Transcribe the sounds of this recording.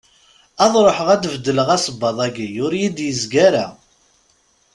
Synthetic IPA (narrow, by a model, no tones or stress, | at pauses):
ɑðˤɾˤoħəʁæd̪vd̪ːələʁæsəbːɑðˤæɡijʊɾjid̪jəzɡæɾa